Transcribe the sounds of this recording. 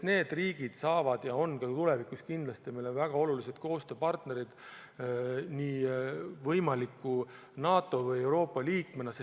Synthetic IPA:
ne̞ːd̪riːɡ̥id̪̥sɑːvɑd̪̥jɑo̞nkɑt̪ule̞vikuskind̪lɑst̪imejlo̞nvæɡ̥ɑo̞lulise̞d̪̥ko̞ːst̪ø̞ːpɑrt̪ne̞ɾid̪̥ | niːvɤjmɑlikːu | nɑːt̪ːˑo̞vɤje̞wɾo̞ːpːˑɑliːkmenɑse

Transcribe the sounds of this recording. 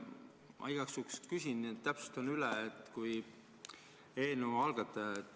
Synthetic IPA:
ʔɑ̰ijɡ̥ɑksukskysʲinniet̪ːæpsu̥st̪onylɛet̪ːˑkuj | eːnuɑlɡ̥ɑt̪ːˑɑet̪ːˑ

